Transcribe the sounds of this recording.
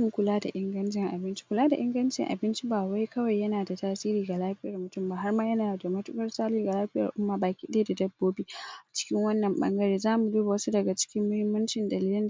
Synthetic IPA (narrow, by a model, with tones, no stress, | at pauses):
ŋkʷʊ˨laː˦da̰˨ʔɪ˦ŋɡɐ˦nt͡ʃɪ˨ŋʔa˨bɪ˦nt͡ʃi̥˦kʷʊ˨laː˦da̰˨ʔɪ˦ŋɡɐ˦nt͡ʃɪ̰˨ŋʔa̰˨bɪ˦nt͡ʃi˦baː˨wa˦jkɐ˦wa˨jːɐ˦naː˨da˨taː˦siː˦ɾiː˨ɡa˨laː˦ɸɪ˦jɐ˨rmʊ˨tʊ˦mbaː˨ha˦rmaː˦jɐ˦naː˨da˨mɐ˦tʊ˦kɐ˦rsaː˦liː˦ɡa˨laː˦ɸɪ˦jɐ˨ʔa˨ʔʊ˦mːaː˨baː˨kʲiː˦ɗeː˦da˨dɐ˦bːoː˦biː˦ʔa˨t͡ʃɪ̥˦kʲɪ˦ŋwɐ˦nːɐ˨mɓɐ̰˦ŋɡɐ˦ɽeː˦zaː˦mu˨duː˦ba˨wɐ˦su˦dɐ˨ɡa˨t͡ʃɪ̥˦kʲɪ˦mːʊ˦hɪ˦mːɐ˦nt͡ʃɪ˨ndɐ˨liː˦lɪ˦